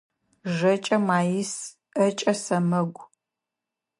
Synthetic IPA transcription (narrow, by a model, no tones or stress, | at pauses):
ʒɐt͡ʃʼɐmaːjɪs | ɐt͡ʃʼɐsɐmɐɡʷ